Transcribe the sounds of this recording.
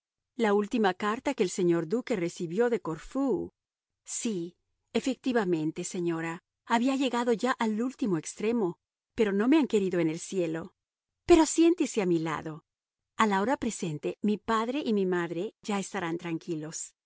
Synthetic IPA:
lault̪imakaɾt̪akeːlse̞ɲo̞ɾd̪uke̞resiβjo̞ðeko̞ɾfu | si | efek̚t̪iβamẽ̞nt̪e̞seɲo̞ɾaː | βiaʝe̞ɣaðo̞ʝaʔalult̪imo̞e̞kst̪ɾe̞mo | pe̞ɾo̞no̞me̞aŋke̞ɾiðo̞ene̞lsje̞lo̞ | pe̞ɾo̞sje̞nt̪eseamila̰ðo̞ | alao̞ɾapɾe̞se̞nt̪e̞mipaðɾe̞ʔimimaðɾe̞ʝae̞st̪aɾant̪ɾaŋkilo̞s

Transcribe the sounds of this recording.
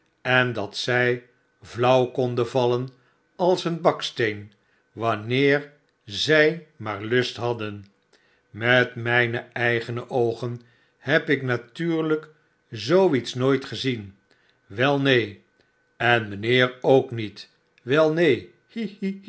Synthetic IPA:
ɛndɑtsɛj | vlʌwkɔndəvɑlən | ɑlˠsənbɑkstejn | ʋɑnɪːɹ | zɛjmaːɹlɵstɦɑdən | mɛtmɛjnəɛjχənəʔowχən | hɛpɪknatyːɹlək | zowitsnoːjtχəzin | ʋɛlˠnej | ɛnmənɪːɹowknit | ʋɛlˠnej

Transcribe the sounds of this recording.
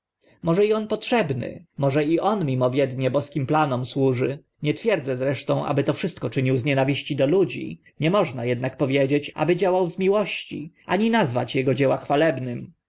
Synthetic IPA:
mɔʐɛiɔnpɔtʂɛbnɘ̰mɔʐɛiʔɔnmʲimɔvʲjɛd̪ɲɛbɔskʲimplanɔmswuʐɘ | ɲɛt̪fʲjɛɾd̪zɛzɾɛʂt̪ɔ̃w̃ʔa̰bɘt̪ɔfʂɘst̪̚kɔt͡ʂɘɲiwzɲɛnavʲiɕt͡ɕid̪ɔlud͡ʑḭ | ɲɛmɔʐnajɛd̪nak̚pɔvʲjed͡ʑet͡ɕʔa̰bɘd͡ʑawawzmʲiwɔɕt͡ɕḭʔa̰ɲinazva̰t͡ɕjɛɡɔd͡ʑɛwaxfalɛbnɘm

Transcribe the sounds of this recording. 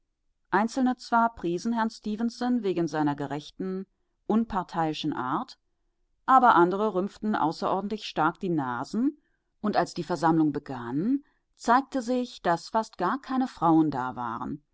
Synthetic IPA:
ʔaɪnt͡sl̩nət͡sv̥aːɐpʁ̥iːzn̩hɛɐnstiːvənsənveːɡn̩zaɪnɐɡəʁɛçtn̩ | ʔʊnpʰaɐtʰaɪɪʃn̩ʔa̰ːɐt | ʔaːbɐʔandəʁəʁʏmftn̩ʔa̰ʊsɐʔɔɐdn̩tlɪçʃtaɐk̚d̥iːnaːzn̩ | ʔʊntʔalsd̥iːfɛɐzamlʊŋbəɡan | t͡saɪk̚təzɪçd̥asfastɡ̥aːɐkʰaɪnəfʁ̥aʊənda̰ːva̰ːʁə̰n

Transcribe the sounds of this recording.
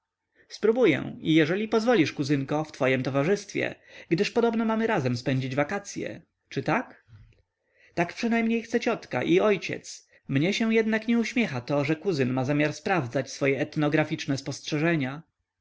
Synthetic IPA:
spɾubujɛ̰̃ijɛʐɛlʲipɔzvɔlʲiʂkuzɘŋkɔft̪fɔjɛmt̪ɔvaʐɘst̪fʲjɛ̰ɡd̪ɘʂpɔd̪ɔbnɔmamɘɾazɛmspɛɲd͡ʑid͡ʑvakat̪sʲjɛ̰ | t͡ʂɘt̪ak | t̪akpʂɘnajmɲejxt̪sɛt͡ɕɔt̪ka̰ʔiɔjt͡ɕɛ̰t̪s | mɲɛɕɛw̃jɛd̪nakɲɛuɕmʲjɛxat̪ɔʐɛkuzɘnmazamʲjaɾspɾavd̪zat͡ɕsfɔjɛɛt̪nɔɡɾafʲit͡ʂnɛspɔstʂɛʐɛɲa

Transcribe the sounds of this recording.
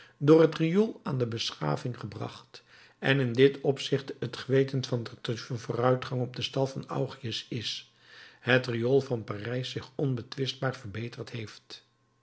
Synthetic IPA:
dʊːrɦətrijolˠaːndəbəsχa̰ːvɪŋχəbrɑ̰χt | ɛnɪndɪtɔpsɪχtətχəʋejtənfɑnnvʊːrœɥtχɑŋɔb̚dəstɑlˠvɑnʌ̰wχiəsɪs | hətriolˠvɑnparɛjsːɪχɔnbətʋɪsd̚baːɹvərbejtəɹtɦejft

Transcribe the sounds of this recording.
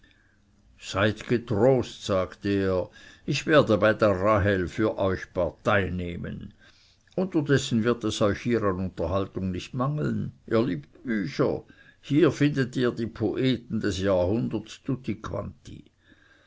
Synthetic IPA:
z̥aɪtɡ̥ətʁoːstz̥aːkteːɐɪçv̥eːɐdəbaɪdeːɐʁaɦɛlfyːɐʔɔʏçpʰaɐtaɪneːmə̰n | ʔʊntɐdɛsn̩vɪɐtɛsɔʏçhiːʁanʊntɐhaltʊŋnɪçtmaŋl̩nʔiːɐliːpt̚b̥yːçɐ̰hiːɐfɪndətiːɐdiːpʰoʔeːtn̩dɛsjaːhʊndətsd̥utʰikʰv̥a̰ntḭ

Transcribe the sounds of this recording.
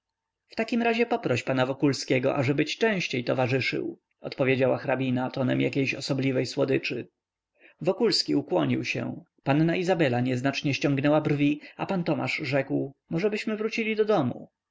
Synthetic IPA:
ft̪akʲimɾaʑɛpɔpɾɔɕpanavɔkulskʲɛɡɔ̰ʔaʐɛbɘt͡ɕt͡ʂɛ̃w̃ɕt͡ɕejt̪ɔvaʐɘʂɘ̰w | ɔt̪pɔvʲjed͡ʑawaxɾabʲinat̪ɔnɛmjakʲejɕɔsɔblʲivɛjswɔd̪ɘt͡ʂɘ | vɔkulskʲiukwɔɲiwɕɛ̰ | panːaizabɛlaɲɛznat͡ʂɲɛɕt͡ɕɔŋɡnɛwabrvʲiapant̪ɔma̰ʐʐɛkwmɔʐɛbɘɕmɘvɾut͡ɕilʲid̪ɔd̪ɔmṵ

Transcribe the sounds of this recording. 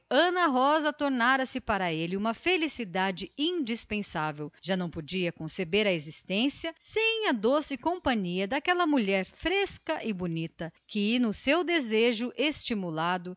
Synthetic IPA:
ɐ̃nɐɦɔzɐt̪oɾnaɾɐsɪpaɾɐelɪũmɐfelisid̪ad͡ʒɪĩd͡ʒispẽsavewʒ̥anɐ̃w̃pod͡ʒiɐkõsebeɾɐezist̪ẽsiɐsẽj̃ɐd̪osɪkõpɐ̃ɲiɐd̪ɐkɛlɐmuʎɛɾfɾeskɐʔɪbunit̪ɐkɪnʊsewd̪ezeʒʊʔest͡ʃimulad̪ʊ

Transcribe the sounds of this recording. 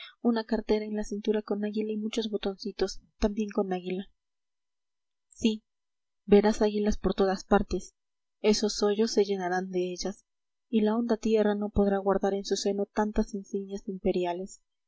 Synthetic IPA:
unakaɾt̪e̞ɾae̞nlasint̪uɾako̞naɣilaimut͡ʃo̞zβo̞t̪o̞nsit̪o̞st̪ambje̞ŋko̞naɣila | si | be̞ɾasaɣilaspo̞ɾt̪o̞ðaspaɾt̪e̞s | e̞so̞sːo̞ʝo̞sːe̞ʝe̞naɾand̪e̞eʝas | ilao̞nd̪at̪je̞rano̞po̞ðɾaɣwaɾðaɾe̞nsuse̞no̞t̪ant̪asensiɲasimpe̞ɾjale̞s

